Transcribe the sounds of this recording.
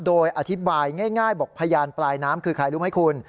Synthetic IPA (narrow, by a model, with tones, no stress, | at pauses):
doː˧jʔa˧t̪ʰi˦˥baː˧jŋaː˥˩jŋaː˥˩jbɔː˨˩k̚pʰa˧jaː˧nplaː˧jnaː˦˥mkʰɯː˧kʰa˧jlu˦˥mha˥˩jkʰu˧n